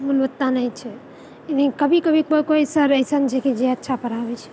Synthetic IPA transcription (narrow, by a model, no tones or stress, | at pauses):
mulʋət̪ːanəit͡ʃʰɛ | ed̪ĩkəbʱikəbʱikəkojsəɾəjsənd͡ʒeked͡ʒeətːʃʰapəɾabɛt͡ʃʰɛ̥